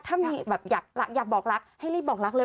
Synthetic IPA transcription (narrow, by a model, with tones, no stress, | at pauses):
t̪ʰa˧˥mɲi˧˩ɓa˨˩p̚za˨˩p̚la˨˦˥k̚zaː˨˩ɓɔː˨˩k̚laː˨˦˥k̚ha˧jliː˧˥ɓɔː˨˩k̚laː˨˥k̚ləː˧˦